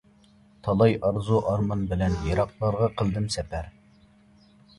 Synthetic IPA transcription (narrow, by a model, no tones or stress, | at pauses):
t̪ʰɑlˠɑjɑɾzuʔɑɾmɑnbɪlɛnjɑɾɑq̚lˠɑɾʁɑqʰəlˠd̪ɪmsɛpʰæɾ